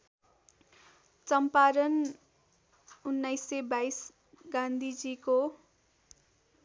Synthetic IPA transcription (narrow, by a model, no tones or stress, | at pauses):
t͡sʌmpaɾʌn | unːajsːebajs | ɡãnd̪ʱid͡ziko